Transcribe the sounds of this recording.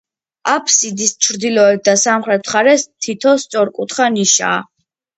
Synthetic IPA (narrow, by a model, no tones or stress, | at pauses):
apʰsid̪ist͡ʃʰɾd̪ilɔɛp̚d̪asamχɾɛt̪ʰχaɾɛst̪ʰit̪ʰɔst̪sʼɔɾkʼut̪ʰχaniʃa̰ː